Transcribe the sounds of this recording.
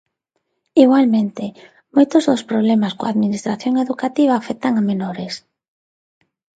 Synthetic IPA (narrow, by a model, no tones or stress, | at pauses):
iɣwalmẽnt̪ɪ | mojt̪ʊzðospɾoβlɛmaskoaðminist̪ɾaθjoŋeðukat̪iβ̞aːfɛk̚t̪aŋamenoɾɪs